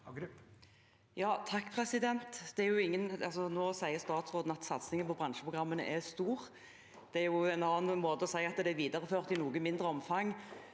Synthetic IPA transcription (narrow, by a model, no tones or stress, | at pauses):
jɑːt̪ʰɑkːpʰʁɛsɪd̪ɛnt̪d̪̥ɛæɾjʊɪŋːənɑ̰lsɔnoːsæɪəɾst̪ɑːt̪sɾʁoːd̪n̩ɑt̪sɑt̪snɪŋːənpʰɔbʁɑnʃəpʰʁʊɡʁɑmːənə̰ʔɛst̪uːʁ | d̪̥ɛæɾjʊɛnɑːɑnmoːt̪əɔsæɪɑt̪ːd̪ɛæɾʋiːd̪ɑʁəføːʁt̪ɪnuːɡənmɪnd̪ʁəɔmfɑŋː